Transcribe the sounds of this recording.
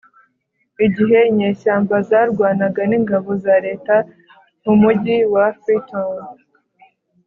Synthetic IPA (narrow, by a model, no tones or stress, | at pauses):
iɟiɦe̞ɲeːʃaːmbazaɾɡwaːnaɡaniŋɡaβo̞zaːɾe̞ːta | mumuɟiwafiton